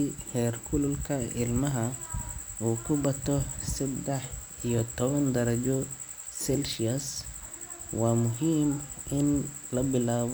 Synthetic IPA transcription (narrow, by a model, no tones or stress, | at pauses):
ihɛːrkʰʊlʊlkʰɐʔɪlmɐɦɐ | ʔuːkʰʊbɐt̪ʰɔsɪd̪ɛħʔijɔt̪ʰɔβɐnd̪ɐɾɐd͡ʒɔ | sɛlʃiɐs | waːmʊɦiːmʔɪn | lɐbɪlaːβ